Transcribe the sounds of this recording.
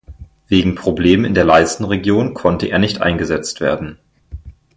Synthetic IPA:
v̥eːɡŋ̩pʁ̥obleːmənɪ̰ndeːɐlaɪstn̩ʁeɡjoːnkʰɔntəʔḛːɐnɪçtʔa̰ɪnɡəzɛt͡stv̥ḛːɐdn̩

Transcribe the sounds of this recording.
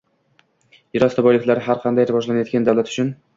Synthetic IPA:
jɪɾɒst̪abɒjlɪkʲlaɾɪɦaɾqʰɑnd̪ajɾɪvɒd͡ʒlanajɒt̪̚ɡʲand̪awlat̪ʊ̥t͡ʃʰʊn

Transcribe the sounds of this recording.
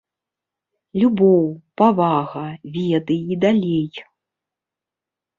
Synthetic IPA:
lʲubɔwpavaɣɐvʲɛd̪ɨjid̪alʲej

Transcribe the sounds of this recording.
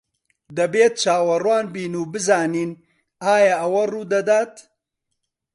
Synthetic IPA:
d̪ɐbeːt̪̚t͡ʃaːwɐrwaːnbiːnuːbɨzaːniːn | aːjɐʔɐwɐruːd̪ɐd̪aːt̪

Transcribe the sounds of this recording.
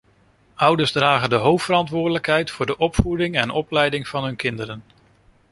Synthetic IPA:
ʌwdəɹszdraːχəndəɦowftfəɾɑntʋʊːɹdələkɦɛjtfʊːɹdəʔɔpfudɪŋɛnɔplɛjdɪŋv̥ɑnɦɵnkɪndəɾən

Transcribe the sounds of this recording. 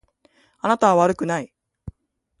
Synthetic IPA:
anat̪aβaβ̞aɾɯ̟kɯ̟nai

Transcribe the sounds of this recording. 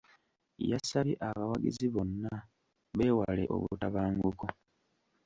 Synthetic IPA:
ja̰saβiʔaβawaɡḭziβo̞nːa | βe̞ːwalḛʔo̞̰βuutaβaːŋɡuko

